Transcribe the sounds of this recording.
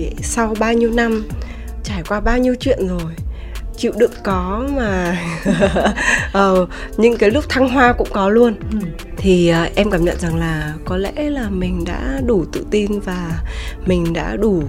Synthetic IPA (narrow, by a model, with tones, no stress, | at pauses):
sa˧wɓaː˧wɲi˧əwna˧m | t͡ɕaː˧˩jkwaː˧ɓaː˧wɲi˧əwt͡ɕwḭ˧˨ənzo˨˩j | t͡ɕḭ˧˨wɗɨ̰˧˩˨əkkɔ˨˦maː˨˩ | ʔəː˨˩ɲɨ̰˧˥ŋkaː˨˦jlʊ˦˥k͡p̚t̪ʰa˧ŋɦwaː˧kʊ̰˧˥ŋ͡mkɔ˨˦lu˧ən | t̪ʰi˨˩əː˨˩ʔɛ˧mkaː˧˩mɲə̰˧˨nza˨˩ŋlaː˨˩kɔ˨˦lɛ̰˧˥laː˨˩mï˨˩ŋ̟ɗa̰ː˧˥ɗu˧˩t̪ɨ̰˧˨t̪i˧nvaː˨˩mï˨˩ŋ̟ɗa̰ː˧˥ɗu˧˩